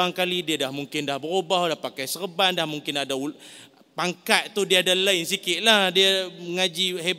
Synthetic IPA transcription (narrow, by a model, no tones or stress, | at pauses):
aŋkalidiadahmuŋkɪndahbəɾobaɦdahpakajsərəbandahmuŋkɪnadau | paŋkaʔ̪̚t̪udiaadalainsikɪʔ̪̚lahdiaməŋad͡ʒiɦe